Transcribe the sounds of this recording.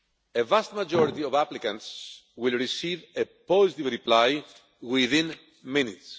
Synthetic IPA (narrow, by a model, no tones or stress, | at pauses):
evast̪mad͡ʒoɾit̪iovaplikɐ̃ntswilɹisivepozit̪ivɾiplaj | wiðĩn | mĩnits